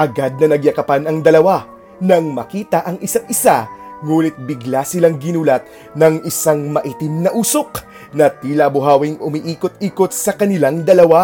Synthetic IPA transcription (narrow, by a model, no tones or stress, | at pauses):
ʔɐɡad̪̚nɐnɐɡjɐkɐpanɐŋd̪ɐlɐwa | nɐŋmɐkiːt̪ɐʔɐŋʔɪsat̪̚ɪsaŋuːnɪt̪̚bɪɡlasɪlaŋɡɪnuːlɐt̪̚ | nɐŋʔɪsaŋmɐʔiːt̪ɪmnɐʔuːso̞k | nɐt̪iːlɐbʊɦaːwiŋʔʊmiʔiːkot̪̚iːkot̪̚sɐkɐnɪlaŋd̪ɐlɐwa